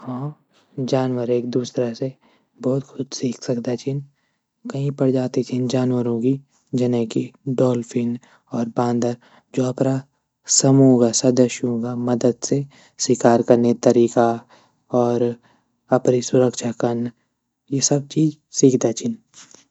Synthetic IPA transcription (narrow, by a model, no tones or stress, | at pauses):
hãː | d͡ʒaːnwəɾeːk̚d̪uːsɾase | bɔːt̪kʰʊd̪siːkʰsɐkd̪at͡ʃʰɪn | kɐɦĩpɐɽd͡ʒaːt̪it͡ʃʰɪnd͡ʒaːnwəɾõki | d͡ʒɐnə̃kiɖɔːlfʰɪn | ɔːɾbãːnd̪əɾ | d͡ʒoːɐpɾa | sɐmuːɡasɐd̪əʃjõɡamɐd̪əd̪se | swɪkaːɾkɐɾnet̪ɐɾiːka | ɔːɾ | ɐpnisʊɾəkʃakɐɾn | jesɐb̚t͡ʃiːd͡ʒ | siːkʰd̪at͡ʃʰɪn